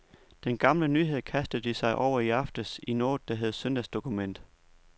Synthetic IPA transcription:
d̥enɡ̥ɑ̈mlənyːɦe̝ð̞̰ˠkʰæsd̥ð̩ˠd̥isɑ̈ɪʔɒʊ̰ɐiɑ̈fd̥əsino̝ːd̥d̥æɦeð̞̩ˠsønd̥æsd̥o̝kʰumen̰d̥

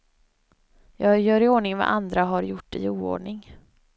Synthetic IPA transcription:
jɑːɡjœːɾɪoːɳɪŋva̰ʔand̪ɾaɦaɾjʊʈːɪ̰uːo̰ːɖɳɪŋ

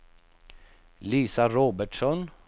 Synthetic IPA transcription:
liːsaɾoːbəʈʂɔn

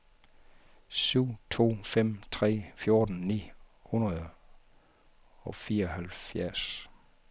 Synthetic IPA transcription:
syʊ̰t͡sʰo̝̰ːfem̰t͡sʰʁɛ̰ːfjo̝ɐd̥n̩nḭːhunʁɐðˠ | ɒ̽fiːɐɒhælfjæɐ̰s

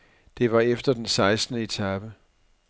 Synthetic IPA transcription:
d̥e̝ʋɑ̈efd̥ɐd̥ensɑ̈ɪsd̥nəe̝t͡sʰæb̥ə

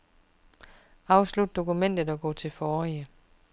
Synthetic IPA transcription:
ɑ̈ʊslud̥̚d̥o̝kumen̰d̥ð̩ˠɒ̽ɡ̥ɔ̰̽ːt͡sʰe̝lfɒːiə

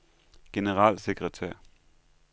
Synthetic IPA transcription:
ɡ̥e̝nəʁɑ̰̈ːlseɡ̥ʁət͡sʰɛɐ̰

